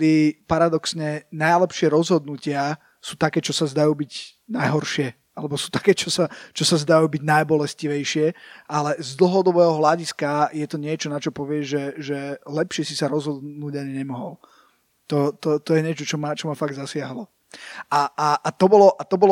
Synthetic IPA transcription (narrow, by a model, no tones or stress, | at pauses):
d̪ipaɾad̪ɔksɲɛnajlɛpʃɪɛɾɔzɦɔd̪nucɪa | suːt̪akɛːt͡ʃɔsazd̪ajuːbiɟ | najɦɔɾʃɪɛ | alɛbɔsuːt̪ḁkɛːt͡ʃɔsat͡ʃɔsazd̪ajuːbiɟnajbɔlɛsciʋɛjʃɪɛʔalɛzd̪l̩ˠɦɔd̪ɔbɛːɦɔɦlaɟiskajɛt̪ɔɲɪɛt͡ʃɔnat͡ʃɔpɔʋɪɛʒɛʒɛlɛpʃɪɛsisaɾɔzɦɔd̪nuːɟaɲɛɲɛmɔɦɔ̰l | t̪ɔt̪ɔt̪ɔjɛɲɪɛt͡ʃɔt͡ʃɔmat͡ʃɔmafaɡ̚d̪zasɪaɦlɔ | aaʔːt̪ɔbɔlɔʔat̪ɔbɔl